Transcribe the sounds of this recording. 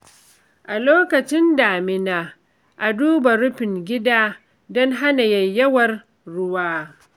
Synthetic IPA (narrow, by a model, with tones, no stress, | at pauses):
ʔa˨loː˦kɐ˨t͡ʃɪ˦ndaː˨mɪ˦naː˨ | ʔa˨duː˦ba˨ɾʊ˦ɸɪ˨ŋɡʲɪ˦daː˦ | dɔ˦ŋɦa˦na˨jɐ˨jɐ˦wɐ˨r | ɽʊ˦waː˦